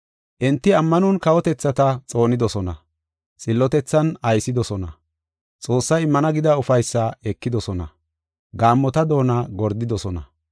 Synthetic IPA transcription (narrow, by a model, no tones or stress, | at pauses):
ʔɛnt̪ːɪɐmːɐnʊnkɐwɔt̪ɛt͡sːɐt̪ɐt͡sʼo̞ːnɪd̪ɔsɔnɐ̰ | t͡sʼɪlːɔt̪ɛt͡sːɐnɐjsɪd̪ɔsɔnɐ̰ | t͡sʼo̞ːsːɐjɪmːɐnɐɡɪd̪ɐʊfɐjsːɐɛkːɪd̪ɔsɔnɐ̰ | ɡaːmːɔt̪ɐd̪o̞ːnaːɡɔɾd̪ɪd̪ɔsɔnɐ̰